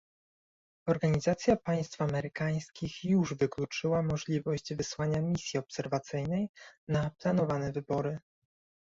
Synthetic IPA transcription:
ɔɾɡaɲizat̪sʲjapaj̃st̪famɛɾɘkaj̃skʲixjuʐvɘklʲut͡ʂɘwamɔʐlʲivɔɕd͡ʑvɘswaɲamʲisʲjiɔpsɛɾvat̪sɘjnɛjnaplanɔvanɛvɘbɔɾɘ

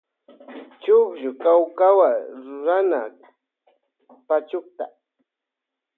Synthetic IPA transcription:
t͡ʃʊkʒʊkawkawaɾʊɾana̰ | pat͡ʃʊkt̪a̰

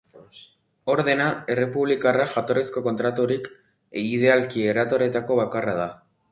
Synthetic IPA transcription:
o̞ɾðe̞nae̞re̞puβlikaraʝat̪o̞ɾesko̞ko̞nt̪ɾat̪uɾik | ið̞e̞alkieɾat̪o̞ɾe̞t̪ako̞βakarað̞a

